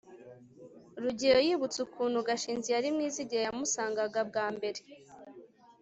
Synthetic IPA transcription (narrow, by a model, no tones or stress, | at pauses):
ɾuɟiɾo̞jiːβut͡sukʰuːnhuɡaʃiːnzijaɾimŋiːziɟiɾajamusaːŋɡaɡab̚ɡaːmbe̞ɾe